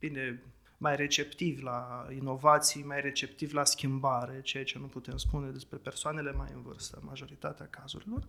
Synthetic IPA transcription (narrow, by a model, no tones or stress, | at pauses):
vind̪e̞ | majre̞t͡ʃe̞pt̪ivʲlaino̞vat̪sijmajre̞t͡ʃe̞pt̪ivʲlaskʲimbaɾe̞t͡ʃe̞jat͡ʃe̞nuput̪e̞mspune̞d̪e̞spɾe̞pe̞rsoane̞le̞majɨ̰nvɨ̰rst̪ə̰maʒo̞ɾit̪at̪eakazṵɾilo̞r